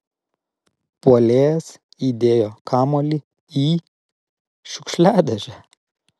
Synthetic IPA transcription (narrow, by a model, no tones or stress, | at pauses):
puɔlʲeːjɛs | iːd̪ʲeːjoːkʰɑːmoːlʲi | iː | ʃʲʊkʃʲlʲæːd̪ʲɛʒʲæ